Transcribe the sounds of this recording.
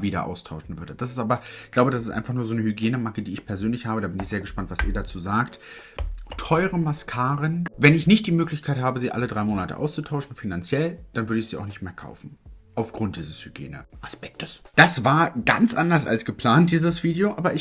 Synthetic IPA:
viːdɐ̰ʔa̰ʊstʰaʊʃn̩vʏɐdəd̥asɪ̥stʔaːbɐ̥ɡ̥laʊbədasɪstʔa̰ɪnfaχnuːɐzoːnəhyɡjeːnəmakədiːɪçpʰɛɐzøːnlɪçhaːbədaːbɪnɪçz̥eːɐɡəʃpantv̥asʔḭːɐdat͡suːzaːkt | tʰɔʏʁəmaskʰaːʁənvɛnɪçnɪçt̚d̥iːmøːklɪçkʰaɪthaːbəziːʔa̰lədʁaɪmoːnatə̰ʔa̰ʊst͡sutʰaʊʃn̩finant͡sjɛld̥anvʏɐɾəɪçz̥iːaʊxnɪçtmeːɐkʰa̰ʊfn̩ʔaʊfɡ̥ʁʊnt̚d̥iːzəshyɡ̥jḛːnə̰ʔaspɛk̚tʰə̥sd̥asvaːɐɡa̰nt͡sʔandɐsa̰lsɡ̥əpʰl̥aːnt̚d̥iːzəsv̥iːdeoʔaːbɐʔɪç

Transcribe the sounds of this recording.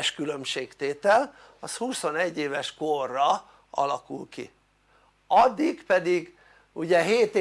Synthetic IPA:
ʃkylø̞mʃeːkt̪eːt̪ɛl | ɒshuso̞nɛɟːeːvɛʃkorːɒ | ɒ̰lɒkulkḭ | ɒd̪ːiɡpɛd̪iɡ | uɟɛɦeːt̪

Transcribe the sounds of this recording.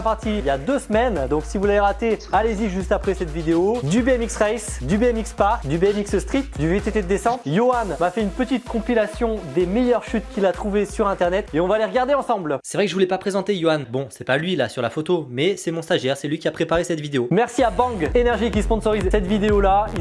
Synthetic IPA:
apaʁt̪ʰiiljad̪øsmɛnd̪ɔ̃ksivulaveʁat̪ealeziʒyst̪apχɛsɛt̪vid̪eod̪ybeɛmiksʁɛjsd̪ybeɛmikspaʁkd̪ybeɛmiksst̪χit̪d̪yvet̪et̪ed̪esɑ̃t̪joanmafɛynpət̪it̪kɔ̃pilasjɔ̃d̪emɛjœʁʃyt̪kʲilat̪χuvesyʁɛ̃t̪ɛʁnɛt̪eɔ̃valeʁɡaʁd̪eɑ̃sɑ̃blsɛvʁɛkəʒəvulɛpapχezɑ̃t̪ejoanbɔ̃sɛpalɥilasyʁla̰fot̪omɛsɛmɔ̃st̪aʒɛʁsɛlɥikʲiapχepaʁesɛt̪vid̪eomɛʁsiabɑ̃ɡenɛʁʒikʲisəpɔ̃sɔʁizsɛt̪vid̪eolai

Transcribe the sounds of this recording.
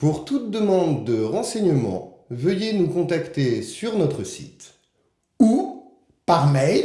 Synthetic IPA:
puʁt̪ut̪̚d̪əmɑ̃d̪ːəʁɑ̃sɛɲəmɑ̰̃vəjenukɔ̃t̪akt̪esyʁnɔt̪χəsḭt̪ | u | paʁmɛj

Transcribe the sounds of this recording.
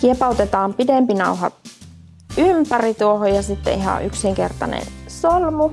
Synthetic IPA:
kiepɑˑut̪et̪ɑːmpidempinɑuɦɑ̰t̪ | ympærit̪uohojɑsit̪ːḛiɦɑ̰ʔʔyksiŋkḛrt̪ɑ̰nḛnsolmu

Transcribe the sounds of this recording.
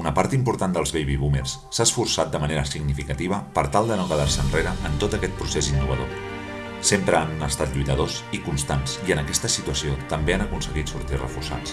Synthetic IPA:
unəpaɾt̪impuɾt̪and̪əlˠzβejβiβumḛrsːaəsfuɾsat̪̚d̪əməneɾəsiɡnifikət̪iβ̞əpəɾt̪alˠd̪ənokəðarsənreɾəʔənt̪ot̪əkɛt̪̚pɾusezinːuβ̞əðo̰ | sempɾəanəst̪at̪ʎujt̪əðozikunst̪ansiənəkɛst̪əsit̪uəsiot̪əmbeanəkunsəɣit̪suɾt̪irə̰fursa̰s

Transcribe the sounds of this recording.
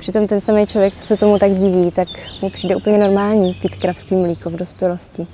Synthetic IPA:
pr̥ɪt̪o̞mt̪ɛnsamejt͡ʃlovjɛk̚t͡sosɛt̪omut̪aɡɟɪviːt̪akmupr̥iːdɛʔuːpl̩ɲɛno̞ɾmaːlɲiːpiːt̪kɾafskiːmliːkovdospjɛlo̞scɪ

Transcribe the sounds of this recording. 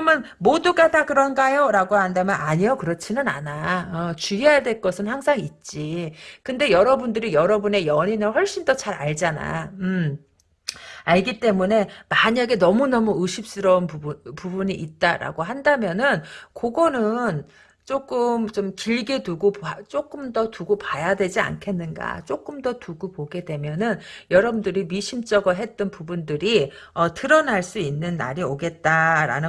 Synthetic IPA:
kɯʌmjʌn | moduɡadakɯɾʌnɡajoɾaɡohandamjʌnaɲijokɯɾʌt͡ɕʰinɯna̰naʌt͡ɕuiajadwe̞ɭk͈ʌsʰɯnhaŋsʰaŋit̚t͡ɕ͈ikɯnde̞jʌɾʌbundɯɾijʌɾʌbune̞jʌɲinɯnɸwʌɭɕ͈indʌt͡ɕaɾaɭd͡ʑana̰ɯ | aɭɡit͈e̞mune̞maɲaɡe̞nʌmunʌmuɯɕʰip̚s͈ɯɾʌunpupubuɲiʔːt̚t͈aɾa̰ɡoɦandamjʌnɯnkoɡʌnɯn | t͡ɕ͈ok͈ɯmt͡ɕomkiɭɡe̞duɡopt͡ɕ͈ok͈ɯmdʌtuɡopajadwe̞d͡ʑia̰nkʰe̞nːɯnɡa̰t͡ɕ͈ok͈ɯmdʌtuɡupoɡe̞dwe̞mjʌnɯnjʌɾʌbndɯɾimiɕʰimt͡ɕ͈ʌɡʌɦe̞t̚t͈ʌnpubundɯɾiʌtɯɾʌnaɭs͈uinːɯnːa̰ɾioɡe̞t̚t͈aɾa̰nɯ

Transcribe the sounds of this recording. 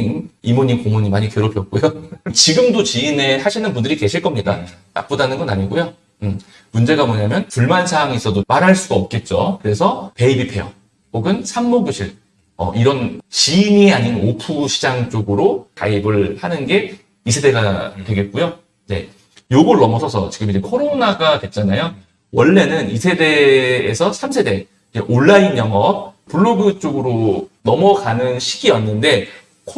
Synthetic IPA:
nimoɲikoŋoɲimaɲikeɾopʰjʌt̚k͈ujot͡ɕiɡɯmdot͡ɕiine̞haɕʰinɯnpundɯɾike̞ɕʰiɭk͈ʌmɲidana̰p͈odanɯnɡʌnaɲiɡojo | ɯm | mund͡ʑe̞ɡamʌɲamjʌnpuɭmansʰaŋisʰʌdomaɾɦaɭs͈uɡaʌp̚k͈e̞t̚t͡ɕ͈o̰kɯɾe̞sʰʌpe̞ibipʰe̞jʌ̰ | koɡɯnsʰammoɡjoɕʰiɾ | ʌ̰ʔiɾʌnt͡ɕiːniaɲinopʰuɕʰid͡ʑaŋt͡ɕ͈oɡɯɾoka̰ibɯɭhanɯnɡe̞ | isʰe̞de̞ɡatwe̞ɡe̞t̚k͈ujo | ne̞̰ | joɡɯɭːʌmʌsʰʌsʰʌt͡ɕiɡɯmid͡ʑe̞kʰoɾonaɡatwe̞t̚t͡ɕ͈anajo | wʌɭːe̞nɯnisʰe̞de̞ːsʰʌsʰamsʰe̞de̞ | id͡ʑe̞̰ʔoɭːainjʌŋʌp̚puɭːoɡɯt͡ɕ͈oɡɯɾonʌmʌkanɯnɕʰi̥ɡiʌnːɯnde̞ | kʰ

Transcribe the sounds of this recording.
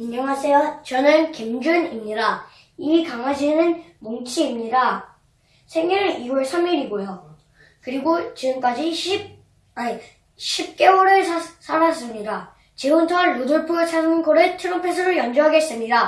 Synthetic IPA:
inʌŋɦasʰejʌt͡ɕʌnɯnkimd͡ʑunimɲida | ikaŋɦad͡ʑinɯnmoŋt͡ɕʰiːmɲida | sʰe̞ŋiɾɯɭiwʌɭsʰamiɾiɡojo | kɯɾiɡot͡ɕiɡɯmk͈ad͡ʑiɕi | ɕʰip̚k͈e̞wʌɾɯɭsʰasʰaɾas͈ɯmɲida | t͡ɕeontʰoɦanɾuduɭpʰuɡɯsʰanɯnkoɾɯtʰɯɾompʰes̬ʰɯɾɯjʌnd͡ʑuɦaɡe̞s͈ɯmɲida

